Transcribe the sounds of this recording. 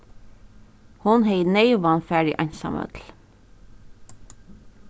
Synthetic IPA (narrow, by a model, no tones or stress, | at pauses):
hʊnheɪneɪoʋɑːnfæːɖɪʔɑɲsɑ̰mœ̰t̪l̩